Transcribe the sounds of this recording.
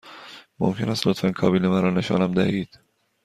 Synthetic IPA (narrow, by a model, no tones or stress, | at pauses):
mo̰mcʰe̞næst̪lot̪fænkʰɒːbiːlemæɾɒːne̞ʃɒ̰ːnæmd̪æhiːd̪̥